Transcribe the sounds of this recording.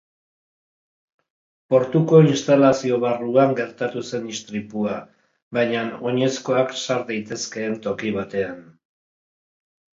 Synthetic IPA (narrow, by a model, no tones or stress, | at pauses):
po̞ɾt̪uko̞inst̪alasio̞βaruaŋɡe̞ɾt̪at̪use̞nist̪ɾipua | βajɲano̞ɲe̞sko̞aksaɾd̪ajt̪e̞ske̞ːnt̪o̞kiβat̪e̞an